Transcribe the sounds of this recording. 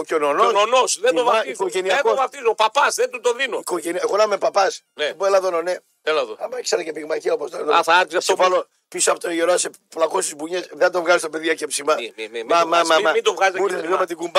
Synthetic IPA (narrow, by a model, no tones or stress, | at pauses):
ocononononosðed̪ovɐikoʝeniɐekovɐft̪izopɐpɐsðet̪ut̪oðinoikoʝenieɣonɐmepɐpɐs | neboelɐðonone | elɐðoɐmɐkseɾɐcepiɣmɐciopost̪oðθɐɐɾisɐvɐlo | pisɐpot̪oʝeɾose | plɐkost̪izbuɲesðed̪ovɣɐzist̪opeðiɐcepsimɐmamamɐmɐmid̪ovɣɐzizuɾelomet̪iɡumb